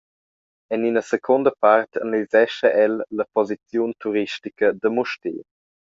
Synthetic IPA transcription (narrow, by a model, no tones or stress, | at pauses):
ɛninəsekʰond̪əpart̪ə̰nəlizɛʃəʔɛlːəpɔzit͡sjunt̪uɾiʃtikəd̪əmuʃtḛː